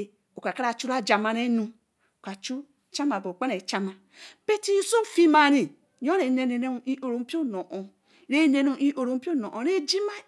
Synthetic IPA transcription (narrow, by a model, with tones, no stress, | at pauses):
o˨ka˨ka˦ɾa˨t͡ʃu˦ɾa˦d͡ʒa˨ma˨ɾe˦nũ˦ | o˨ka˨t͡ʃu˦ | t͡ʃa˦ma˨bo˨k͡pa˦ne˨t͡ʃa˦ma˨ | pe˦ti˦so˦fi˦ma˨ɾi˨ | jo˦ɾe˨ne˨ne˨ne˦˨i˦ʔo˨ɾo˨m̩˦pi˦o˦no˨ʔo˨ | ɾe˦ne˨nu˦i˦ʔo˨ɾo˨m̩˦pi˦o˦no˨ʔo˨ɾe˦d͡ʒi˦ma˦